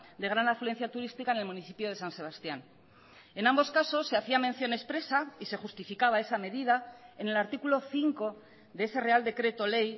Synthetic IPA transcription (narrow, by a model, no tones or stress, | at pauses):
d̪e̞ɣ̞ɾanaflue̞n̟θjat̪uɾist̪ikaenelmuniθi̥pjo̞ðe̞sanse̞βast̪jan | e̞nambo̞skaso̞sːe̞aθiamẽ̞n̟θjo̞ne̞spɾe̞saise̞xust̪ifikaβ̞ae̞same̞ðið̞aene̞laɾt̪ikulo̞θiŋko̞ | ðeese̞re̞ald̪e̞kɾe̞t̪o̞le̞j